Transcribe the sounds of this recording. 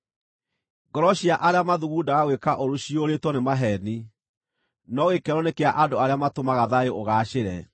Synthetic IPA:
ɡɔɾɔɕiaʔaɾeamaðuɣuːdaɣaɣwekaʔoɾuɕioɾetwɔnemaɦɛni | nɔɣekɛɾɔnekeaʔandoaɾeamatomaɣaðaeoɣaːɕeɾɛ

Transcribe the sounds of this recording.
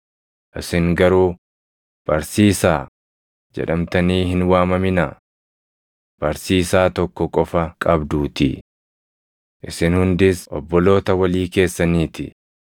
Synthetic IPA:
ʔɪsɪŋɡɐɾuː | b̥ɐɾsiːsaː | d͡ʒɛ̰ᶑɐmt̪ɐniːhɪnwaːmɐmɪna | b̥ɐɾsiːsaːt̪ɔkːɔkʼɔfɐkʼɐbd̪uːt̪ɪ̰ | ʔɪsɪnhʊnd̪ɪsɔ̰bːɔlo̞ːt̪ɐwɐliːke̞ːsːɐniːt̪ɪ̰

